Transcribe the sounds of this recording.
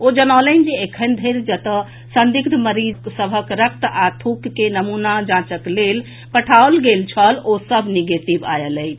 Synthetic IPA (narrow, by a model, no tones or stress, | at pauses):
od͡ʒənalənd͡ʒeekʰənd̪ʱeɾd͡ʒət̪ə | sənd̪ikd̪ʱməɾid͡ʒsəbʱəkɾək̚t̪at̪ʰukːenəmunad͡ʒãt͡ʃəklel | pəʈʰaolɡelt͡ʃʰəlosəbʱniɡet̪iba̰jələjt͡ʃʰ